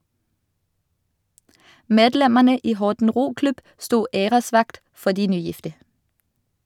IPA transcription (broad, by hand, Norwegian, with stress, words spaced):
ˈmeːdˌlɛməʁnə ˈiː ˈhɔʁtn̩ ˈʁuːˌklʉb ˈstuː ˈeːʁəˌsʋɑkt ˈfɔ ˈdiː ˈnyːˌjɪftə